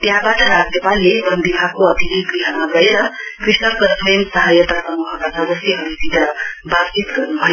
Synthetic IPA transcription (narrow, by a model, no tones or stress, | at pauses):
t̪jãbaʈʌɾaɡnepalːebʌnbibʱaɡ̚koʌd̪ʱiniɡriɦamablʌjeɾʌkrisnʌkʌnpʰɾensʌɦajʌt̪asʌmuɦʌkat͡sʰʌdʌsjiɦʌɾit̪id̪abat͡sit̪ɡʌrnubʱʌjo